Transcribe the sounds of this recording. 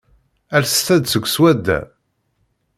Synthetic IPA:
æɾst̪æd̪səɡʷswæd̪ːæ̰

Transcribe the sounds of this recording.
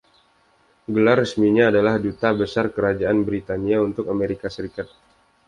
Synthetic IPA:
ɡəlarəsmiɲaːdalahdut̪abəsarkəɾad͡ʒaʔanbɾit̪aniaunt̪ʊkameɾikasəɾikat̪̚

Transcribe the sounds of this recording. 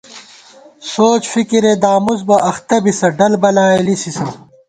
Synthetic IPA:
soːt͡ɕfikiɾed̪aːmuzbɐɐxt̪ɐbisɐɖɐlbɐlaːlisisɐ

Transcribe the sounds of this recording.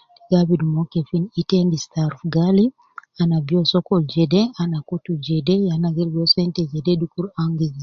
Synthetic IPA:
iɡaβidmokefinitendistaɾfɡali | anabjosɔkɔld͡ʒedeanakotud͡ʒedejanaɡiɾɡɔsɛntɛd͡ʒɛdedukuɾaŋɡiz

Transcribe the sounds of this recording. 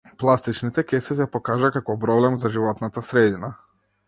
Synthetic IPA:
plˠast̪it͡ʃnit̪ɛkɛsɛs̬ɛpɔkaʒakakɔpɾɔblɛmzaʒivɔt̪nat̪asɾɛd̪ina

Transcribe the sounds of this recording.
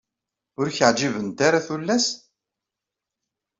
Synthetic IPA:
ʊɾçəʕd͡ʒivənt̪aɾaθulːæs

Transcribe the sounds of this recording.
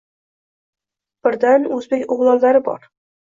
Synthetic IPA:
b̥ɪɾd̪anɵzbekʲoʁlˠɒlːaɾɪbɒ̰ɾ

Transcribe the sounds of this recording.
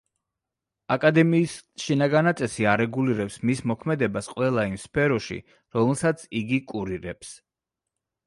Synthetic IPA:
akʼad̪ɛmiːsʃinaɡanat̪sʼɛsiaɾɛɡuliɾɛpsmismɔkʰmɛd̪ɛbasqʼwɛlˠaimspʰɛɾɔʃḭ | ɾɔmɛlˠsat̪sʰiɡikʼuɾiɾɛps

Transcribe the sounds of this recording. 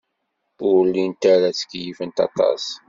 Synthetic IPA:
ʊɾlːint̪aɾat͡sə̥kjifənt̪ɑ̰t̪ˤɑ̰s

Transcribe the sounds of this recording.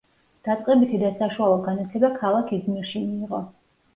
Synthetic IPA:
d̪̥at̪sʼqʼɛbit̪ʰid̪asaʃualˠɔɡanat̪ʰɛbakʰalˠakʰizmiɾʃimiːʁɔ

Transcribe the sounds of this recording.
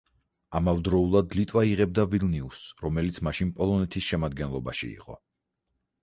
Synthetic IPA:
amavd̪ɾɔulˠad̪lit̪ʼwaiʁɛb̚d̪avilniusɾɔmɛlit̪sʰmaʃinpʼɔlˠɔnɛt̪ʰisʃɛmad̪̚ɡɛnlˠɔba̰ʃḭḭqʼɔ̰

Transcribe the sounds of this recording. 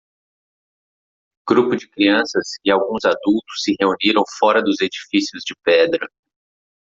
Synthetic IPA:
ɡ̥ɾupʊd͡ʒɪkɾiɐ̃sɐsɪawɡũzad̪ut̪ʊ̥sːɪɦeuniɾɐ̃w̃fɔɾɐd̪ʊzed͡ʒifisiʊzd͡ʒɪpɛd̪ɾɐ

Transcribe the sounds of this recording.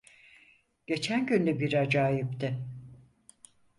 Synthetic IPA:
ɟ̥e̞t͡ʃʰænɟynd̪ɛbiɾad͡ʒaːjipt̪ʰɪ

